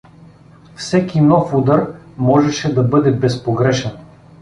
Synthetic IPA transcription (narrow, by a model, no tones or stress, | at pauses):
fsɛkimnɔfud̪aɾ | mɔʒɛʃɛd̪ɐbɤd̪ɛbɛspoɡɾɛʃɛn